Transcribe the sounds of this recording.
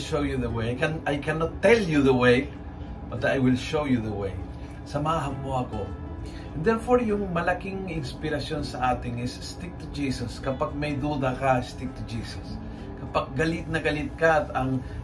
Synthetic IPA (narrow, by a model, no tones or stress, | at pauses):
ʃowjuðəwekɛnajkɛnɔt̪ːɛljuðəwej | b̥ɐt̪̚ajwɪlʃowjuðəwḛj | sɐmaaɦɐnmoʔɐko | nd̪ɛɹfoɹjʊŋmɐlɐkiŋɪnspɪɾɐsjonsɐʔaːt̪ɪŋɪsːt̪ik̚t̪ʊd͡ʒiːsɐskɐpaɡ̚mɐjd̪ud̪akast̪ik̚t̪ʊd͡ʒiːsɐs | kɐpaɡ̚ːɐlit̪̚nɐɡɐlit̪̚kat̪ɐŋ